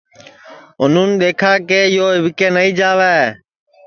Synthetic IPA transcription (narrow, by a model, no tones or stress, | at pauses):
ʊn̤uːnɗ̪eːkʰaːkeːɪjoːɦɪʋɪkeːnəĩːd͡ʒaːʋɛː